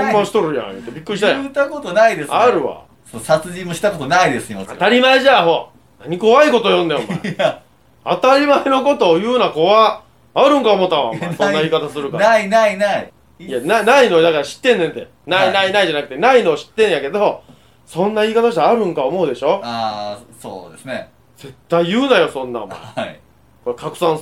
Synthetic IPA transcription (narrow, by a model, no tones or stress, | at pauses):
õmbãɕi̥t̪o̞ɾɯ̟jã̰jɯ̰t̪ːebʲikːɯɾiɕit̪ajat̪akot̪onaid̪esaɾɯ̟βa̰ | sosat͡sɨʑĩmːoɕi̥t̪akot̪onaid̪esɨ̥imaa̰t̪aɾʲimaeʑaɦo̞ | naɲ̟iko̞βaiko̞t̪o̞jõ̞nd̪ao̰m̰ː | at̪aɾʲimaeno̞ko̞t̪o̞jɯ̟ːnako̞βaː | ɾɯ̟̃ŋkaomo̞t̪ːaβa̰mːso̞nnːaiːkat̪asɨɾɯ̟kkaainainai | jananaino̞d̪akaɾaɕi̥t̪ːẽ̞nːent̪e | nainainaid͡ʑanakɯ̟t̪enaino̞ːɕi̥t̪ːẽɰ̃jake̞d̪o̞ | sõ̞nːaiːkat̪aɕit̪aːɾɯ̟̃ŋkaomo̞ɯ̟d̪e̞ɕo̞asoːd̪esne | d͡ze̞t̪ːaijɯ̟ːnajo̞sõ̞nːa̰ma̰ | koekakɯ̟̥sãɰ̃